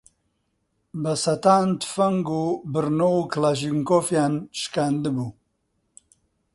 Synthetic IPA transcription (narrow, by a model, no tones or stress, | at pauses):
bɐsɐt̪aːnt̪fəŋɡubɨɾnowklaʒiŋkofjanʃkand̪ɨbu